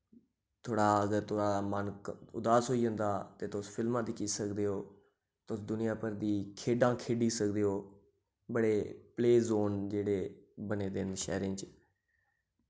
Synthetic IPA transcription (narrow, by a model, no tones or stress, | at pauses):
t̪ʰoːɽaːəɡəɾt̪ʰoːɽaːmənkʊd̪aːsɦoːiːd͡ʒə̃nd̪aːt̪eːt̪ʊspʰɪlmãːd̪ikiːsəkd̪eːoː | t̪osd̪ʊnɪjãːpəɾd̪iːkʰeːɖãːkʰeːɖiːsək̚d̪eːoː | bəɽeːpleːzoːnd͡ʒeːɽeːbəneːd̪eːnʃɛ̰ːɾɪ̃ːt͡ʃ